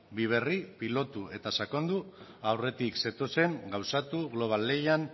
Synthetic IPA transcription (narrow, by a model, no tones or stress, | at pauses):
biβ̞e̞ripilo̞t̪ue̞t̪asakond̪uawre̞t̪ikse̞t̪o̞se̞ŋɡawsat̪uɣlo̞β̞alːe̞jan